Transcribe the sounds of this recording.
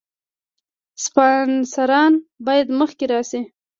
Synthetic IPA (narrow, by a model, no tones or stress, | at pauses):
spɑnsaɾɑnbɑjad̪məxkeɾɑsi